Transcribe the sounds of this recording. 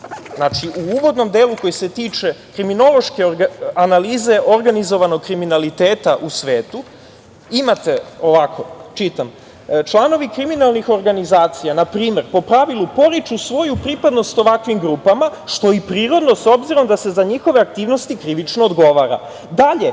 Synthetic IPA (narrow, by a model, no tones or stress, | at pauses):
znat͡ʃiuuʋo̞d̪no̞md̪e̞ːluko̞jise̞t̪iːt͡ʃe̞kɾimino̞lˠo̞ʃkeanaliːze̞ʔo̞ɾɡanizo̞ʋanoɡ̚kɾiminalit̪eːt̪aʔusʋe̞ːt̪u | imat̪eo̞ʋakʰo̞t͡ʃit̪am | t͡ʃlˠano̞ʋikɾiminalˠnixo̞ɾɡanizaːt̪sijanapɾiːme̞ɾpo̞pɾaʋilˠupo̞ɾit͡ʃusʋo̞jupɾipad̪no̞st̪o̞ʋakʋimɡɾuːpamaʃt̪o̞ipɾiːɾo̞d̪no̞sobziɾo̞md̪ase̞zaɲixo̞ʋe̞ak̚t̪iːʋno̞st̪ikɾiʋit͡ʃnoːd̪ɡo̞ʋaːɾa̰ | d̪aʎe̞